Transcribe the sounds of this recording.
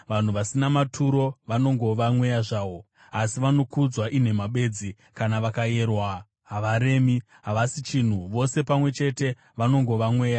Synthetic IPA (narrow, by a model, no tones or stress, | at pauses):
ʋan̤uʋasinamatʰuɾo̞ʋano̞ŋɡo̞ʋamwe̞jaʐaːʋo̞ | asiʋano̞kud͡zwaʔin̤e̞maɓe̞d͡zi | kanaʋakae̞ːrwa | ɦaʋaɾe̞ːmi | ɦaʋasit͡ʃin̤uʋo̞se̞pamwe̞t͡ʃe̞te̞ | ʋano̞ŋɡo̞ʋamwe̞ːja